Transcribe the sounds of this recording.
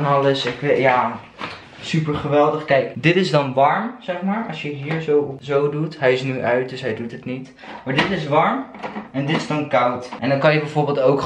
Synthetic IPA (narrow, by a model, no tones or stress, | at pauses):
nɑləsɪkʋjaː | sypəɹχəʋɛlˠdəχkɛjkdɪtɪzdɑnʋɑɹmz̥ɛχmaːɹɑsjəɦiːɹzowzowdutɦɛjɪsnyʔœɥt̚dɵsɦɛjdutɦətnit | maːɹdɪtɪsʋɑɹmɛndɪtɪzdɑnkɑwtʔɛndɑnkɑnjəbɛjvoːɹbɪːlˠtowk